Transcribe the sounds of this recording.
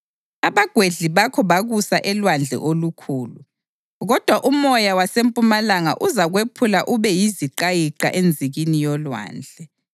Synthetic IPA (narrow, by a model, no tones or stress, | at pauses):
aβaɡ̥ʱweɮiβakʰɔβaɣusaʔɛlwand͡ɮʱɛ̰ʔolukʰuːlu | ɣɔd̥ʱwaʔumɔjawasempʼumalaŋa̰ʔuzaɣwepʰulaʔuβɛjiziǃajiǃa̰ʔend͡zʱiɣinijɔlwa̰ːnd͡ɮʱɛ